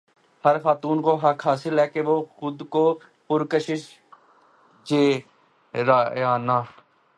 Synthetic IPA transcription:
həɾxaːt̪uːnkoːɦəkʰɦaːsɪlɦɛːkeʋoːxʊd̪koː | pʊɾkəʃɪʃ | d͡ʒeː | ɾaːjaːnaː

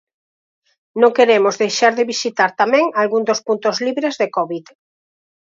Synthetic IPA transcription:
nõŋkeɾemʊzðejʃaɾðɪβisit̪aɾt̪amɛ̃ŋalɣund̪ospunt̪ozliβɾezðekɔβið

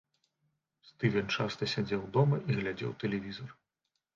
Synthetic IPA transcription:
st̪ɨvʲɛnʲt͡ʂast̪ɐsʲad͡zʲɛwd̪ɔmɐʔiɣlʲad͡zʲɛ̰wt̪ɛlʲɛvʲizɐr

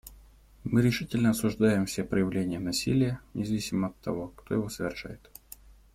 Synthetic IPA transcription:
mɨɾʲɪʂɨtʲɪlʲnəɐsʊʐd̪ajɪmfsʲepɾəjɪvlʲenʲɪjənɐsʲilʲɪjənʲʔɪzɐvʲisʲɪməɐt̪ːɐ̰vo̞kt̪o̞jɪvo̞səvʲɪrʂa̰jɪt̪

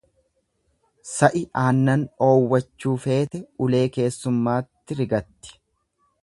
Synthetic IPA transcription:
sɐʔɪʔaːnːɐno̞ːwːɐt͡ʃːuːfe̞ːt̪ɛʊle̞ːke̞ːsːʊmːaːt̪ːɪɾɪɡɐt̪ːɪ̥

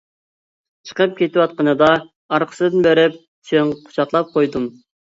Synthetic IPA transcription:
t͡ʃʰə̥qəp̚kʲʰet̪ɪwɑt̪̚qənɨd̪ɑ | ɑɾqʰə̥sɨd̪ɨnbeɾɪp̚ | t͡ʃ̪eŋqʰʊ̥t͡ʃʰɑχlˠɑp̚qʰojd̪um

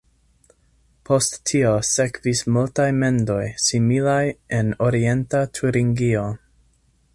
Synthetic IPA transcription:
pʰo̞stːʰiose̞kvismultajme̞ndo̞jsimilaje̞no̞ɾie̞ntatʰuɾiŋɡio̞

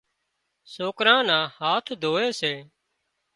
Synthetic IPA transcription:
soːkɾãːnãːhaːt̪ʰd̪ʱoːeːseː

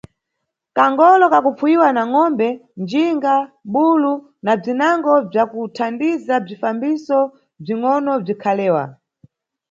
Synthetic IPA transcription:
kaŋɡɔlɔkakufuiwanaŋɔmbɛnd͡ʒiŋɡaɓulu | nab͡ʐinaŋɡɔb͡ʐakutʰandizab͡ʐifambisɔ | b͡ʐiŋɔnɔb͡ʐikʰalɛːwa̰

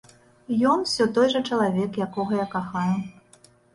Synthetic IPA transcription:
jɔnwsʲɔt̪ɔjʐɐt͡ʂɐlˠavʲɛkjakɔɣɐjakaxaju

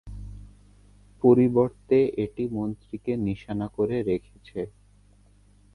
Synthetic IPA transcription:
poɾiboɾt̪eʔeʈimont̪ɾikeniʃanakoɾeɾekʰet͡ɕʰe

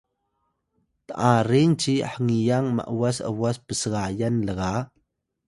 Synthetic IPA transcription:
t̪əʔaɾint͡ʃiħəŋijaŋma̰ʔwasə̰waspəsəɣajanləɣa

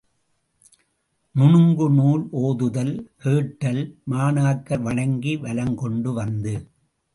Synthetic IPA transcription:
nʊɳɯŋɡɯnuːlʔoːðɯðɐlkeːʈːɐlmaːnaːkːɐɾʋɐɳɐŋɡiʋɐlɐŋkɔɳɖɯʋɐnd̪ɯ

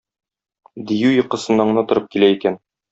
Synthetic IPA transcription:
d̪ijʉjɤ̆qɤ̆sɤ̆nɑɴnɑt̪ŏɾɤp̚kilæikæn

